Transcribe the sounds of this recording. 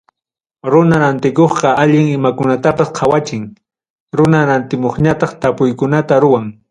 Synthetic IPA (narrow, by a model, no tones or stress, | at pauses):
ɾʊnaɾant̪ɪkoχqɑaʎɪŋɪmakʊnat̪apasqʰɑwat͡ʃɪŋ | ɾʊnaɾant̪ɪmoχɲat̪ɑχt̪apʊjkʊnat̪aɾʊwaŋ